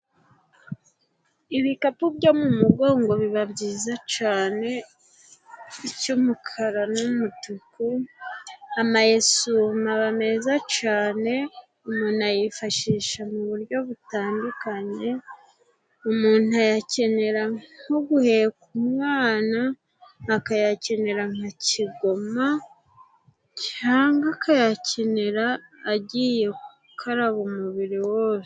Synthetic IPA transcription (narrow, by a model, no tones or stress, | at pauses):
iβikapubɟo̞mumuɡo̞ːŋɡo̞βiβabɟiːzat͡ʃaːne̞ | icumukʰaɾanumutuku | amajesumaβame̞zat͡ʃaːne̞ | umuːnajifaʃiːʃamuβuɾjo̞βutaːndukaɲe̞ | umuːn̥uajace̞ne̞ɾaŋoɡuhe̞kumŋaːnaː | kajace̞ne̞ɾaŋ̥haciɡo̞ma | caːŋɡakʰajacʰe̞ne̞ɾaːɟiːje̞ku | kʰaɾaβumuβiɾiwo̞ːse